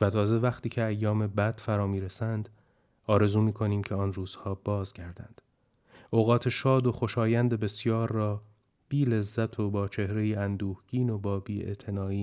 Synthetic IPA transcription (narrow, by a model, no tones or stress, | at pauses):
væt̪ʰɒːze̞væχt̪ʰiːcʰe̞æjːɒːme̞bæd̪̥fæɾɒːmiːɾesænd̪̥ | ɒːɾe̞zuːmiːkʰo̞niːmcʲʰeɒːnruːz̥hɒːbɒːzɟæɾd̪æ̰nd̪̥ | ʔoɣɒːt̪ʰe̞ʃɒːd̪o̞xo̞ʃɒːjænd̪e̞be̞sjɒːɾːɒː | b̥iːle̞zːæt̪ʰobɒːt͡ʃʰe̞hɾe̞jiːænd̪uːhɟ̥iːno̞bɒːbiːḛʔt̪ʰe̞nɒːiː